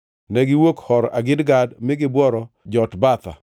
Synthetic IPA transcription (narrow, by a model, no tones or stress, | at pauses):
nɛɡɪwokhɔɾaɡɪdɡadmɪɡɪbwɔɾɔ | d͡ʒɔtbat̪a̰